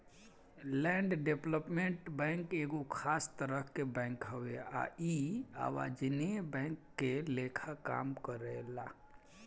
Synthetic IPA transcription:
lɛ̃ːɳɖɖepləpmẽɳʈbɛ̃ŋkeɡokʰaːst̪əɾəɦkebɛ̃ːŋkɦəwea̰ia̰ːwa̰d͡ʒnebɛ̃ŋkːelekʰaka̰ːmkəɾela

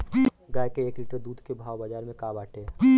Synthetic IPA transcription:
ɡaːjkeeːkliːʈəɾd̪uːd̪ʱkebʱaːwbəd͡ʒaːɾmẽkaːbaːʈe

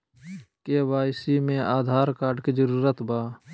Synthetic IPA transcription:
kebaːjsimẽʔaːd̪ʱaːɾkaːɾɖked͡ʒəɾuːɾət̪baː

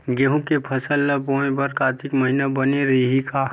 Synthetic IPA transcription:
ɡeɦũkepʰɐsəlːɐpõːẽbɐɾkaːt̪ɪkmɐɦinabɐneɾiɦikaː

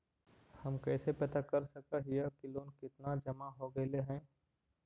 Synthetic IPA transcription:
hɐmkɛːsepɐt̪akɐɾsɐkaɦijakɪloːnkɪt̪nad͡ʒɐmaɦoɡɐeleɦɛ̃ː

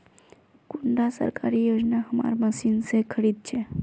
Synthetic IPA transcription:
kuɳɖasə̰ɾka̰ɾijod͡ʒnaɦəma̰ɾməsinsekʰəɽiːd̪̚t͡ʃʰɛ

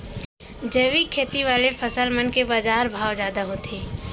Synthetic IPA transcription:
d͡ʒəːwikʰeːt̪iʋaːlepʰəsəlmənkebad͡ʒaːɾbʱaːwd͡ʒjaːd̪aɦot̪ʰeː

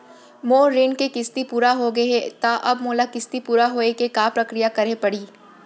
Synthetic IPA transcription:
moːɾɪnkekɪst̪ipuːɾaɦoɡɐet̪aʔɐbmoːlakɪst̪ipuːɾaɦoːekekaːpɾɐkɾijakɐɾepɐɽiː

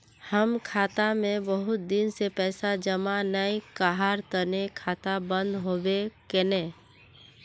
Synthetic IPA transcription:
həmkʰaːt̪amẽbəɦʊt̪̚d̪ɪnsepɛːsad͡ʒəmanaĩkaɦaɾt̪ənekʰaːt̪abə̃nd̪ɦobekenẽː

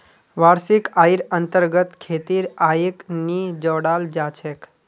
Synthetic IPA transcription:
ʋaːɾsikaːjɾənt̪əɾɡət̪kʰeːt̪iɾaːiknid͡ʒɔːɽaːld͡ʒat͡ʃʰek

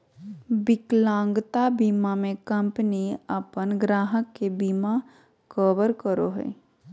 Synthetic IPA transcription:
bɪklãːŋɡt̪abiːmamẽkə̃mpəniəpənɡɾaːɦəkːebiːma | kəːʋəɾkəɾoɦḛː

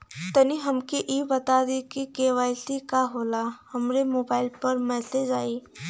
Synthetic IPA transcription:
t̪ɐniɦɐmkeʔiːbɐt̪aːd̪ekikeːʋaːɪsikaɦoːlahɐmɾemoːbaːɪlpɐɾmɛːseːd͡ʒaːi

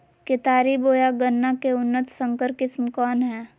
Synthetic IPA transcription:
kɪt̪aːɾiboːjaɡənːakeʊnːət̪sə̃ŋkəɾkɪsmkɔːnɦɛː

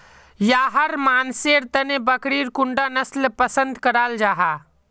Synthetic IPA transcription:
jaɦəɾmanseɾt̪ənebəkɾiɾkuɳɖanəslpəsə̃nd̪kəɾald͡ʒaːɦa

